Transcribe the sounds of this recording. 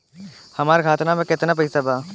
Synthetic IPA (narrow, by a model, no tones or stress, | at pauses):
hɐmaːɾkʰaːt̪namẽkɪt̪nap̬ɐisabaː